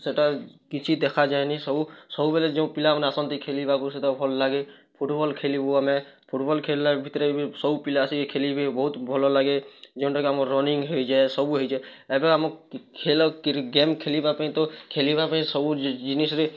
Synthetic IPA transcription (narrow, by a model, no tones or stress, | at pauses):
seʈakit͡ʃʰid̪ekʰad͡ʒaenisɔbusɔbubeled͡ʒɔ̃pilamneasənt̪ikʰelibakuset̪ɔbʱɔlːaɡe | pʰuʈbɔlkʰelibuamepʰuʈbɔlkʰelːabʱit̪ɾebisɔbupilasikekʰelibʱebɔɦut̪bʱɔlɔlaɡed͡ʒɔʊ̃ʈakeamɔɾɔniŋɡɦojd͡ʒaesɔbuɦojd͡ʒaɛbeamɔkʰelɔkɡemkʰelibapaɦĩt̪ɔkʰelibapaɦĩsɔbud͡ʒinisɾe